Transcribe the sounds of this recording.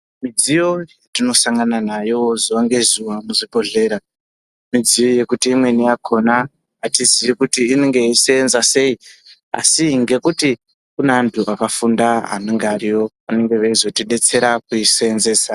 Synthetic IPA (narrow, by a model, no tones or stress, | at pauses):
mid͡zijo̞jatino̞saŋɡananajo̞ziʋaŋɡe̞zuʋamuʐibʱo̞ɮe̞ːɾa | mid͡zijo̞je̞kutiːmwe̞niakʰonaː | tizijikutiːneŋɡe̞iseenzase̞i | a̰siŋɡe̞kuti | kunaantʰuʔakafundaa̰noŋɡaɾiwo̞ | ane̞ŋɡe̞ʋaizo̞tiɗe̞t͡se̞ɾakuiseenze̞ːsa